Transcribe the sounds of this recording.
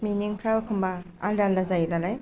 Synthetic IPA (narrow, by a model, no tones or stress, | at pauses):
miniŋpʰɾawkʰɯmba | aldalːazajdalaj